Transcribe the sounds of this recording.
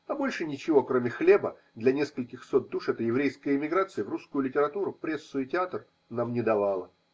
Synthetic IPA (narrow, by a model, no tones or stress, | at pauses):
ɐbo̞lʲʂɨnʲɪt͡ɕɪvo̞kɾo̞mʲɪxlʲe̞bə | d̪lʲɐnʲe̞skəlʲkʲɪxsot̪̚d̪uʂɛt̪əjɪvɾʲejskəjəɪmʲɪɡɾat̪sɨjɪvruskʊjʊlʲɪtʲɪɾɐt̪uɾʊpɾʲesːʊɪtʲɪat̪r | namnʲɪd̪ɐvalˠə